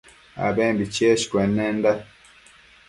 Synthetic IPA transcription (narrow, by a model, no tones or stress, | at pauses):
a̰bɛmbit͡ʃeʃi̥kwɛnːɛnda